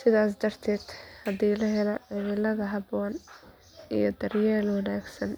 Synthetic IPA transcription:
sɪðaːs̬d̪ɐrt̪ʰɛːd̪̥hɐðiːlɐɦɛlɔɐmɪlɐɣɐɦɑbɔːn | ḭjɞd̪ɐrjaːlwɑnaːɡsɐn

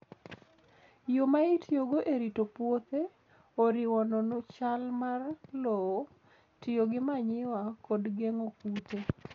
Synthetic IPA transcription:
jomaitɪjoɡoʔeɾitopwot̪e | oɾɪwɔnɔnʊt͡ʃalmarlɔwo | tɪjoɡɪmaɲɪwakodɡeŋokute

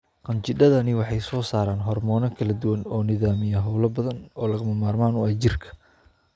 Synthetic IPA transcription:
qɑnt͡ʃɪdɐðɐnɪwɑħɑjsɔːsaːɾaːnɦɔrmɔːnɐkʰɐlɐd̪ʊwɐnɔːnɪðaːmɪjɐɦɐwlɐbɐðɐnɔːlɐɣɐmɐmaːrmaːnʊaːd͡ʒɪrkʰɐ̥

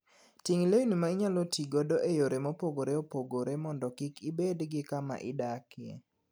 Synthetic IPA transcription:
tiŋleinumaɪɲalɔtʰiɡodoʔejoɾemopoɡoɾeopoɡoɾemɔndɔkɪkɪbedɡɪkama̰ʔɪdakɪjḛ

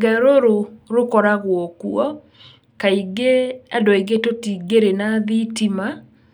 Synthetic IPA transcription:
ɡɛɾoɾoɾokɔɾaɣwɔkuɔ | kaiɡeadɔiɣetotiɡeɾenaðitima

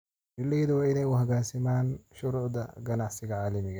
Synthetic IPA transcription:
bɪlejðɐwɑːɪnɛjʊɦɐɣaːsɪmaːnʃʊɾuːʕd̪ɐɡɐnɑʕsɪɣɐʕaːlɐmɪɣɐ

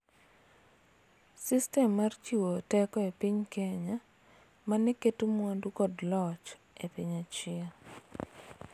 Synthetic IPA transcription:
sistɛmːart͡ʃiwotɛkɔepiɲkɛɲa | manɛketumwandukɔdlɔt͡ʃ | epiɲat͡ʃɪa

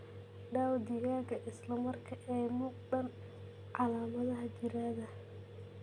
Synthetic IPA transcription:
ɖaːwd̪ɪɣaːɣɐʔɪslɐmɐrkʰɐʔɛjmʊɡɖɐn | ʕɑlaːmɐðɐɦɐt͡ʃɪɾaːðɐ

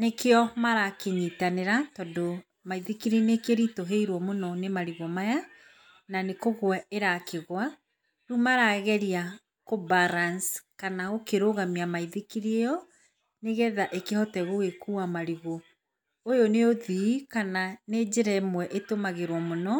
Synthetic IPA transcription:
nekeɔmaɾakeɲitaneɾatɔdo | maiðekiɾinekeɾitoɦeiɾwɔmonɔnemaɾiɣɔmaja | nanekoɣwɛeɾakeɣwa | ɾumaɾaɣɛɾia | kobaɾanskanaɣokeɾoɣamiamaiðekiɾiejɔ | neɣɛðaʔekehɔtɛɣoɣekuamaɾiɣɔ | ojoneoðikananed͡ʑeɾɛemwɛʔetomaɣeɾwɔmonɔ

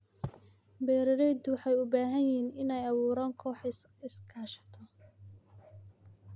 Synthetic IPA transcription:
bɛːɾɐɾɛjd̪wɑħɑjʊbaːɦɐjiːnɪnɛjɐβuːɾaːŋkʰɔːħɪskʰaːʃɐ̥t̪ʰɔ

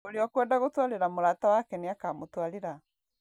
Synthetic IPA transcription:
oɾeɔkwɛːndaɣotwaɾeɾamoɾatawakɛneakamotwaɾeɾa

